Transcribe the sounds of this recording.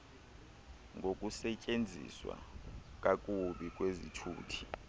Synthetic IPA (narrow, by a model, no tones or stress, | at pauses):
ŋʱok̬ʼusɛcʼend͡zʱḭswa̰k̬ʼak̬ʼuɓik̬ʼwezitʰṵːtʰi̥